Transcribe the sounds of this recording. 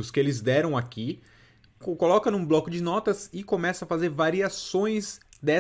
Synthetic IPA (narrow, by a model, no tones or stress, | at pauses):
ʊskɪelɪzd̪ɛɾɐ̃w̃aki | kolɔkɐnũblɔkʊd͡ʒɪnɔt̪ɐzɪkomɛsɐfazeɾvaɾiasõj̃z | d̪ɛ